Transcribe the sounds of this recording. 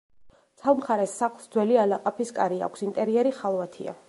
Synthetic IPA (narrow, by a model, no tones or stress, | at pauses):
sʰavmχaɾɛsːaχlˠsd̪zwɛlialaqʼapʰiskʼaɾia̰kʷʰsint̪ʼɛɾiɛɾiχalˠvat̪ʰḭa̰